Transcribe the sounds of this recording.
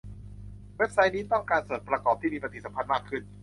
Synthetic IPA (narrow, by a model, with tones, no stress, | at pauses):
we˦˥p̚sa˦˥jniː˦˥t̪ɔ˥˩ŋkaː˧nsoː˨˩t̪̚pɾa˧kɔː˨˩p̚t̪ʰiː˥˩miː˧pa˧t̪ʰi˨˩sa˩˦pʰa˧nmaː˥˩kʰːɯ˥˩n